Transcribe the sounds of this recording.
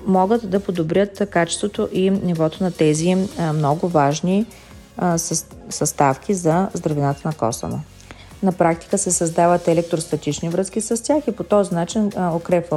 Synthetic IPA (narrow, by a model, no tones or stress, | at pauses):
mɔɡət̪d̪ɐpod̪obɾʲjət̪kat͡ʃɛ̥st̪vot̪oʔinivɔt̪onɐt̪ɛzimnɔɡʊvaʒni | sɐst̪afkʰʲizɐzd̪ɾɐvɛnat̪ənɐkɔ̰sə̰no̰ | nɐpɾak̚t̪i̥kəsɛsɐzd̪avət̪ɛlɛk̚t̪ɾost̪ɐt̪it͡ʃnivɾɤskisɐst̪ʲjaxipot̪ɔznat͡ʃinokɾɛpvə